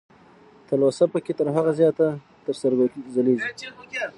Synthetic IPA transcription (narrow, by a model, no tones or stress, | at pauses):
t̪əlosapəket̪əɾɦaɣazjɑt̪a | t̪əɾsaɾɡazaleʒi